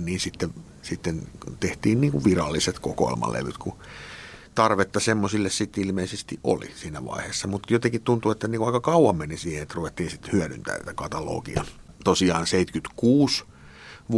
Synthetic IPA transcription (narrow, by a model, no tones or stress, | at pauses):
niːnsit̪ːe | sit̪ːent̪eht̪iːnniːŋkuʋʋirɑlːiset̪koko̰ḛlmɑ̰lːḛʋyt̪ku | t̪ɑrʋet̪ːɑsemːosilːessit̪ilmeisest̪iʔʔo̰lḭsiːnæʋɑ̰iheːsːɑmut̪jot̪ekit̪t̪unt̪uet̪ːæniːŋkuɑikɑkɑuwɑmmenisiːheet̪ruʋet̪ːiːnsit̪hyæɾy̰nt̪æ̰ːt̪ækɑt̪ɑlo̰ːkḭɑ̰t̪osiɑːnseit̪kyt̪kuːs | ʋ